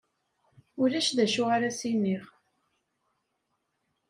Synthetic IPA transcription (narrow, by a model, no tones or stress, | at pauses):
ʊlæʃðæʃʊʁaɾæsinːiʁ